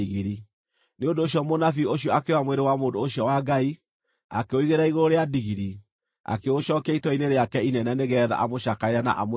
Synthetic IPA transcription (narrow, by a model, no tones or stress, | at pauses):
iɣiɾi | neondoːɕjɔmonafioɕjɔakewamweɾewamoːndoːɕjɔwaɡai | a̰keoiɣeɾaiɣoɾoɾeadiɣiɾi | a̰keoɕɔkaitwɔineɾeakɛinɛnɛneɣɛːða̰ʔamoʃakaeɾana̰ʔamo